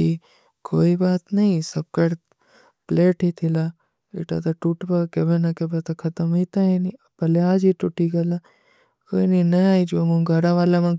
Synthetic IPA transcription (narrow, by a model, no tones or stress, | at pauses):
i | koːibaːt̪nɐĩsɐb̚kɐɽ | pleːʈit̪ʰila | ḭʈa̰t̪ɐʈuʈbakebenɐkebet̪ɐkʰɐt̪əmoit̪aeni | pɐleaːd͡ʒiʈuʈiɡɐla | koːininɐaːid͡ʒomũɡɐɾaʋaːlamã